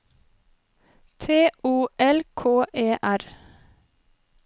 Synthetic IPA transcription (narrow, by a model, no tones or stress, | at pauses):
t̪ʰeːʔuːʔɛlkʰoːʔeːʔæɾ